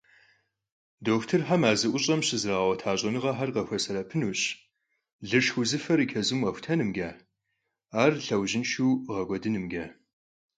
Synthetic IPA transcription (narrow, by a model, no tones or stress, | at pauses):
doːxtʰɨrħamaːzɨʔʷʊɕʼɐmɕɪzraːwʷɐtʰaːɕʼɐnɨʁɐħarqɐxʷɐsɐɾɐpʰɨnuːɕ | ɮɨʂxʊzɨfɐɾikʲʰɐzɨmɐxʷtʰɐnɨmɡʲaː | aːrɬɐwʑɪnʃuːʁɐɡʷɔdɨnɨmɡʲaː